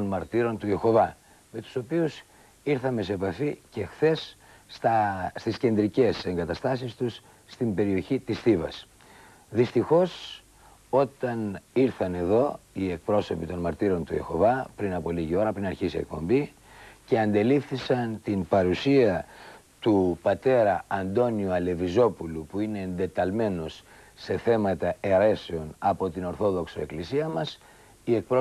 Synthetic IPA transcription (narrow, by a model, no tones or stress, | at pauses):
t̪onmɐɾt̪iɾo̞nt̪ue̞xo̞vɐ | me̞t̪u̥so̞pius | iɾθɐme̞sepɐfice̞xθe̞s | t̪ɐst̪isce̞nd̪ɾice̞se̞ŋɡɐt̪ɐst̪ɐsist̪usː | t̪imbe̞ɾio̞çit̪isθivɐ̰s | ðist̪ixo̞s | o̞t̪ɐniɾθɐne̞ðo̞ie̞k̚pɾo̞so̞pit̪o̞nmɐɾt̪iɾo̞nt̪ue̞̰xo̞̰vɐpɾinɐpo̞liʝio̞ɾɐpɾinɐɾçisiek̚po̞̰mbi | ce̞ɐnd̪e̞lifθisɐnt̪inpɐɾusiɐt̪upɐt̪e̞ɾɐɐnd̪o̞niuɐle̞vizo̞pulupuine̞ːnd̪e̞t̪ɐlme̞no̞sː | e̞θe̞mɐt̪ɐeɾe̞se̞o̞nɐpo̞t̪ino̞ɾθo̞ðo̞ksoe̞̰klisiɐmɐs | ie̞k̚pɾo